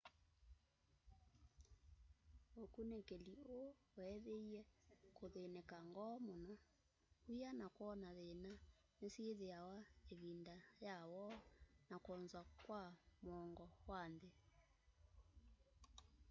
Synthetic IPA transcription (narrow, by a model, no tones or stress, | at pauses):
okunekelio | oɛðeiɛkoðenɛkaŋɡɔmona | ujanakɔnaðena | nesieðeawaeβindajawɔnakɔnzwakwamɔŋɡɔwande